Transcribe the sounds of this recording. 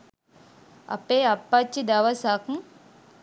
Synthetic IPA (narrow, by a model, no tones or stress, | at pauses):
ɐ̰peɐpːat͡ʃːid̪awasakŋ